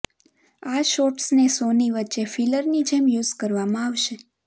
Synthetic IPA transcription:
aʃoʈsnesoniʋətːʃefʰiləɾnid͡ʒemjuzkəɾʋamãaʋʃe

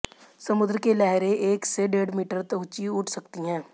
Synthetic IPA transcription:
sɐmʊd̪ɾəkelɛɦɾẽʔeːkseɖeːɖmiːʈəɾt̪ɐɦʊt͡ʃiʊʈʰsɐkt̪iɦɛ̃ː

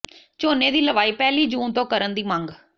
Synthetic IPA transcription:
t͡ʃoːneːd̪iːləʋaːiːpɛːliːd͡ʒuːnt̪õːkəɾənd̪iːmə̃ŋɡ

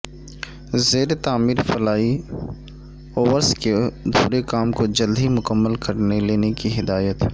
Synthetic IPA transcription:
zeːɾet̪aːmiːɾfɐlaːi | oːʋəɾsked̪ʱṵːɾekaːmkod͡ʒɐld̪ʱimʊkəmːəlkɐɾneleːnekiɦɪd̪aːjət̪

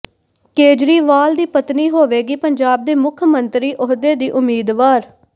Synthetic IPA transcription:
keːd͡ʒɾiːʋaːld̪iːpət̪niːɦoːʋeːɡiːpəɲd͡ʒaːb̚d̪eːmʊkʰmənt̪ɾiːʔʊɦd̪eːd̪iːʔʊmiːd̪ʋaːɾ

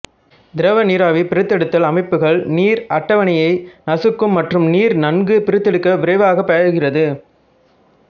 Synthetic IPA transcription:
d̪ɪɾɐʋɐniːɾaːʋipɪɾɯt̪ːɛɽɯt̪ːɐlɐmɐɪpːɯɣɐɭniːɾɐʈːɐʋɐɳɪjɐɪnɐsɯkːɯmːɐʈrɯmniːɾnɐnɡɯpɪɾɯt̪ːɛɽɯkːɐʋɪɾɐɪʋaːɣɐpːɐjɐɾɯɣɪrɐðɯ

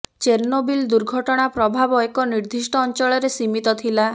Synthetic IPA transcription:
t͡ʃeɾnobild̪uɾɡʱɔʈɔɽ̃apɾɔbʱabɔekɔniɾd̪ʱisʈɔːnt͡ʃɔɭɔɾesimit̪ɔt̪ʰila

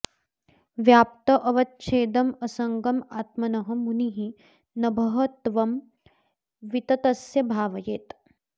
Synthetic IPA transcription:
ʋjaːp̚t̪ɐʔɐʋɐt̪̚t͡ʃʰeːd̪ɐmɐsɐŋɡɐmaːt̪̚mɐnɐɦɐ̆muniɦi | nɐbʱɐɦɐt̪ʋɐm | ʋit̪ɐt̪ɐsjɐbʱaːʋɐjeːt̪

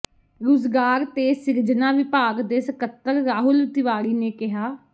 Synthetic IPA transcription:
ɾozɡaːɾt̪eːsɪɾd͡ʒnaːʋɪpaːɡd̪eːsəkət̪ːəɾːaːɦʊlt̪ɪʋaːɾiːneːkɪɦaː

